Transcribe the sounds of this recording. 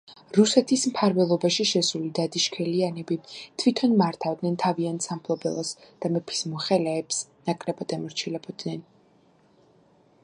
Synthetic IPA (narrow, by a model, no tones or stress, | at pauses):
ɾusɛt̪ʰismpʰaɾvɛlˠɔbaʃiʃɛsulid̪ad̪iʃkʰɛlianɛbit̪ʰwit̪ʰɔnmaɾt̪ʰavd̪nɛnt̪ʰaviansampʰlˠɔbɛ̰lˠɔsd̪̥amɛpʰi̥smɔχɛlɛːpsnakʼɾɛbad̪ɛmɔɾt͡ʃʰilɛbɔd̪̥nɛn